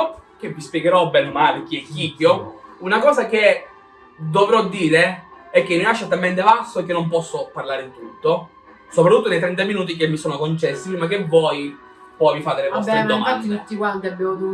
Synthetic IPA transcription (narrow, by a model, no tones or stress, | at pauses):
k̟evːispjeɡeɾɔbːɛnomalek̟iɛkːiɟːounakɔːzak̟e | d̪ovɾɔd̪ːiːɾeɛk̟ːemilaʃːot̪ːalment̪̬ebasːoekːenːompɔsːoparlaːɾeint̪ɾut̪ːo | sopɾat̪ːut̪ːonejt̪ɾɛnt̪̬aminuːt̪̬ik̬emːisoːnokont͡ʃɛsːipɾimak̟evːɔːj | pɔjvifaːt̪elevɔst̪ed̪oɱmafat̪d̪ːit̪ut̪ːikwant̪iabːɛːmot̪u